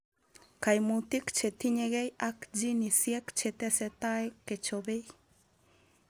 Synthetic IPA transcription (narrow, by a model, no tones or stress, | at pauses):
kajmut̪ikt͡ʃet̪iɲeɣejakd͡ʒinisjɛkt͡ʃet̪ɛsɛt̪ajket͡ʃoβej